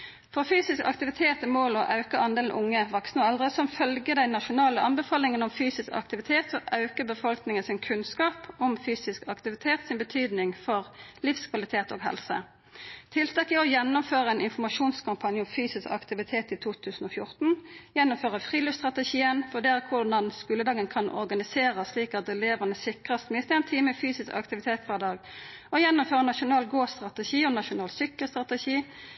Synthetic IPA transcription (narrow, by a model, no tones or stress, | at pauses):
fɔʁfyːsɪskɑ̰kt̪ɪʋɪt̪ʰeːt̪əmoːlɔʔɑʉkəɑnd̪eːln̩ʔʊŋːəʋɑksnəɑld̪ʁəsɔmfœlɡəd̪ɛɪnɑʃʊnɑːləʔɑnbəfɑːlɪŋənɔmfyːsɪskɑ̰kt̪ɪʋɪt̪ʰeːt̪ɔʔɑʉkəbəfɔlknɪŋənsɪnkʰʉnskɑːpɔmfyːsɪskɑkt̪ɪʋɪt̪ʰeːt̪sɪnbət̪ʰyːd̪nɪŋfɔʁlifskʰʋɑlɪt̪ʰeːt̪o̰ːɡɦɛ̰lsə̰ | t̪ʰɪlt̪ʰɑːkɪɔjɛnːʊmføːʁəɛnɪnfɔmɑʃuːnskʰɑmpʰɑnjəɔmfyːsɪskɑ̰kt̪ɪʋɪt̪ʰeːt̪ɪt̪ʰuːt̪ʰʉːsn̩ɔfjʊʁt̪n̩jɛnːʊmføːʁəfʁiːliːst̪ʁɑt̪ɛʃiːənfɔɖ̪ɛːæʁkʰʊɖɑnskʉləd̪ɑːɡənkʰɑnʔɔ̰ʁɡɑnɪseːʁəsliːkɑt̪̚d̪ɛleːʋənəsɪkʁəst̪mɪɪst̪ɛnt̪ʰiːməfyːsɪskɑ̰kt̪ɪʋɪt̪ʰeːt̪ʋæʁd̪ɑːɡ | ɔjɛnːʊmføːʁənɑʂʊnɑːlɡoːst̪ʁɑt̪ɛʃiːɔnɑʃʊnɑːlsʏkːəlst̪ʁɑt̪ɛʃiː